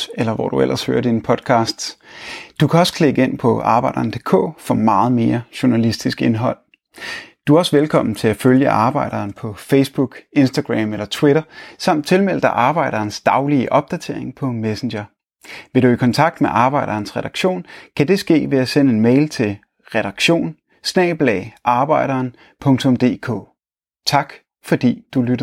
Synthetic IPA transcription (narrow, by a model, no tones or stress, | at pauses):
elɐʋɒ̰d̥uel̰ʔɐshø̰ːɐd̥inəpʰɒ̽d̥kʰɑ̈ːsd̥d̥ukʰæɒ̽sə̥kʰle̝ɡ̥əe̝n̰pʰɒ̽ɑ̈ːb̥ɑ̈ɪd̥ɐːnd̥e̝kʰɔ̰̽ːfɒ̽mɑ̈ːð̞̩ˠme̝ːɐɕʊnælisd̥isɡ̥e̝nɦɒ̽l̰ | d̥uæɒ̽sʋelkʰɒ̽m̰n̩t͡sʰe̝læføljəʔɑ̈ːb̥ɑ̈ɪ̰ɾ̥ɐːnpʰɒ̽feɪsb̥uɡ̥e̝nsd̥ɐɡ̥ʁæ̰melɐt͡sʰwiɾɐsɑ̈m̰d̥̚t͡sʰe̝lmel̰d̥ɐʔɑ̈ːb̥ɑ̈ɪ̰ɾ̥ɐːnsd̥ɑ̈ʊliəʔɒ̽b̥̚d̥æt͡sʰe̝ɐeŋpʰɒ̽mesen̩ɕɐ | ʋe̝ɾuikʰɒnt͡sʰɑ̈ɡ̥d̥meʔɑ̈ːb̥ɑ̈ɪɾ̥ɐːnsʁɛɾ̥ɑ̈ɡ̥ɕo̝̰ːnkʰæd̥e̝sɡ̥e̝̰ːʋe̝æsenəe̝nmeɪlt͡sʰe̝l | ʁɛɾ̥ɑ̈ɡ̥ɕo̝̰ːn | snɛ̰ːɪb̥lɛʔɑ̈ːb̥ɑ̈ɪ̰ɾ̥ɐːn | pʰɔ̽ŋt͡sʰɔ̽md̥e̝̰ːkʰɔ̰ː | t͡sʰɑ̈ɡ̥ | fɒ̽d̥ḭːd̥ulyɾ̥